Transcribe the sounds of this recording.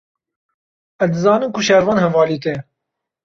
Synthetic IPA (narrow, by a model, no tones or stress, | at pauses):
ɛzd̪ɨzɑːnɨmkʰuʃɛɾvɑːnhɛnvɑːliːt̪ɛ